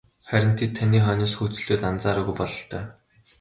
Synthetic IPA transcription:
χæɾʲɪ̆n̥t̪ʰet̪ʰːaniːχœːnɔːsxut͡sɵ̆ɮuːt̪ant͡saːɾʊːɣujpɔɮɞ̆ɬt̪ʰœː

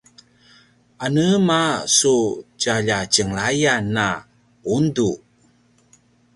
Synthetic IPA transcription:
anəmasud͡ʒaʎat͡ʃəŋɭajanːa | undu

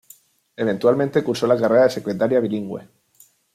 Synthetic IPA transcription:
e̞β̞e̞nt̪ualment̪e̞kuɾso̞lakareɾaðese̞kɾe̞t̪aɾjaβ̞iliŋɡwe̞̰

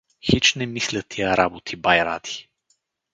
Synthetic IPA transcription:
xit͡ʃnɛmislʲət̪ʰijɐɾabot̪ʰibajɾa̰d̪i̥

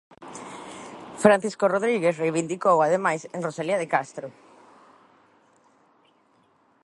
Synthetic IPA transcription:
fɾãnθiskoroðɾiɣesrejβind̪ikowaðemajseŋrosaliaðekast̪ɾʊ

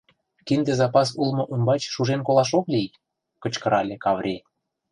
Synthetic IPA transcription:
kind̪ĕzɑpɑs̬ulmŏʔumbɑt͡ɕʃuʒenkolɑʃ̬oklʲij | kɤ̆t͡ɕkə̆ɾɑlʲĕkɑvrʲe

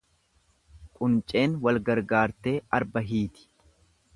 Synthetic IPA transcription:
kʼʊnt͡ʃʼe̞ːnwɐlɡɐɾɡaːɾt̪e̞ːɐɾbɐɦiːt̪ɪ̥

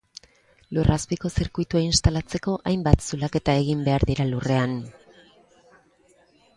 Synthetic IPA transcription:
lurʔaspiko̞seɾkujt̪uainst̪alat͡se̞ko̞ʔajmbat̪sulake̞t̪ae̞ɣimbe̞aɾðiɾalure̞an

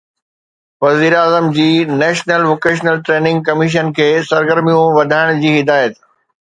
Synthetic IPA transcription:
ʋɐziːɾaːzəmd͡ʑiːnɛːʃnəlʋoːkeːʃ̬nəlʈɾeːnɪ̃ŋɡ̚kɐmɪʃ̬ənkʰeːsɐɾɡəɾmijũʋɐd̪ʱaːɪɽ̃d͡ʑiːɦɪd̪aːjət̪

